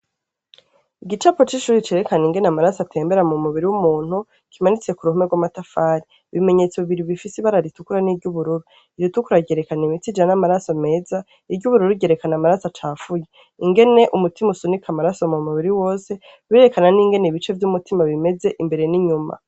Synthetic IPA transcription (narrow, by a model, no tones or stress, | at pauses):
iɡit͡ʃapo̞t͡ʃiʃuːɾit͡ʃe̞ɾe̞kaniŋɡe̞namaɾasatʰe̞ːmbe̞ɾamumuβiɾiwumuːn̥hu | kimanit͡sje̞kuɾuhumeɡwamatafaːɾi | βime̞ɲe̞ːt͡soβiβiɾiβifisiβaɾaɾitukuɾaniːvɟuβuɾuɾu | iɾitukuɾaɟe̞ɾekanimitid͡ʒanamaɾasome̞ːza | iɟuβuɾuɾuɟe̞ɾe̞kanamaɾasat͡ʃaːfuje | iŋɡe̞ne̞ʔumutimusunikʰamaɾasomumuβiɾiwo̞ːse̞ | βieɾe̞kananiːŋɡe̞neiβit͡ʃe̞vjumutimaβime̞ze̞ʔimbe̞ɾe̞niɲuma̰